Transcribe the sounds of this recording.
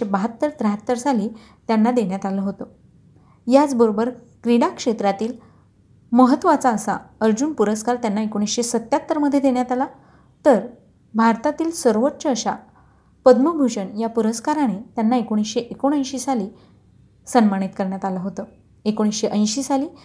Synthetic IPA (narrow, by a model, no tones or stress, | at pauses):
ebəɦət̪ːəɾt̪ɾəɦət̪ːəɾsaliː | t̪janːad̪eɳjat̪aləɦot̪əː | jat͡sbəɾobəɾ | kɾiɽakʂet̪ɾat̪iːl | məɦət̪ːʋat͡saəsa̰əɾd͡ʑuːnpuɾəskaɾt̪janːaekoɽ̃isɕesət̪ːjat̪ːəɾməd̪ʱːjed̪eɳjat̪ala | t̪əɾ | bʱaɾt̪at̪iːlsəɾʋətːɕəːɕa | pəd̪mubʱuɕəɳjapuɾəskaɾaɽ̃et̪janːaekoɽ̃isɕeʔekoɽ̃ə̃jɕiːsaliː | sənmaɽ̃it̪kəɾɳjat̪aləɦot̪ə | ekoɽ̃isɕeʔə̃j̃ɕiːsaliː